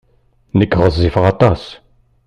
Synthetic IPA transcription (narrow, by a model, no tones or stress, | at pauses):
nəkːʁəzˤːifʁɑt̪ɑs